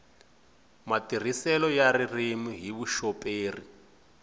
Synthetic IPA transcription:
matir̤isɛlɔjaririmiɦiβuʃɔpʼeːri

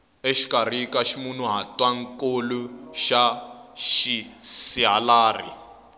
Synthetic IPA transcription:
eʃi̥kʼar̤ikaʃimun̤uɦatʼwaŋ̩kʼoluʃaʃisiɦalaːrḭ

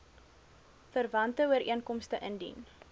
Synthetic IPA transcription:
fərvɐntəuəɾiənkɔmstəʔəndḭn

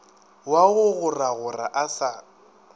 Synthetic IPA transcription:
waɣʊɣʊraɣʊra̰ʔasa

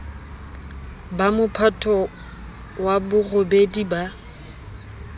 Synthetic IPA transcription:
bamʊpʰatʰɔ | wabʊrobediba

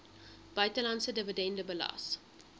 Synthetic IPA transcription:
b̥œɥtəlɐntsədəvədɛndəbəlɐ̰s

